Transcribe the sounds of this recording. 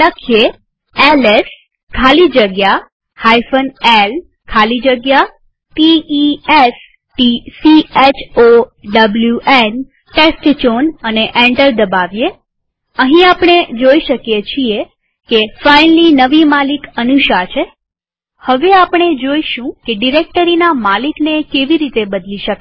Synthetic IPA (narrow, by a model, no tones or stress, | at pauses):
əkʰije | eles | kʰalid͡ʒəɡja | hajfənel | kʰalid͡ʒəɡja | piies | ʈisiet͡ʃʰoɖəbljuʔen | ʈesʈt͡ʃonəneʔɛ̃ɳɖəɾd̪əbaʋje | əɦĩapɳ̃ed͡ʒoiʃəkjet͡ʃʰie | kefainlinəʋimalikənuʃat͡ʃʰe | həʋeapɳ̃ed͡ʒoiʃũkeɖiɾek̚ʈəɾinamaliknekeʋiɾit̪ebəd̪liʃək